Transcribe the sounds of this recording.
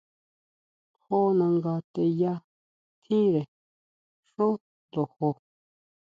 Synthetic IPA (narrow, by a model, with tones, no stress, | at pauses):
ho˦nã˧ŋɡa˧t̪e˧ja˦ | t̪ʰĩ˦ɾe˨ | ʂo˦ | nd̪o˨ho˧